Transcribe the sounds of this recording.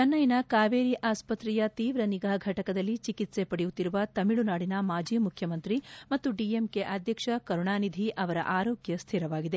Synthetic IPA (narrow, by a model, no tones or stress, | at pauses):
t͡ʃɐnːɐjnɐkaːʋeːɾiʔaːspɐt̪ɾijɐt̪iːʋɾɐniɡaːɡʱɐʈɐkɐd̪ɐlːit͡ʃikit̪se̞pɐɽejut̪ːiɾuʋɐt̪ɐmiɭunaːɽinɐmaːd͡ʒiːmukʰjɐmɐnt̪ɾimɐt̪ːuɖiemkeʔɐd̪ʱjɐkʂɐkɐɾuɳaːnid̪ʱiʔɐʋɐɾɐ̰ʔaːɾoːɡjɐst̪ʰiɾɐʋaːɡid̪e̞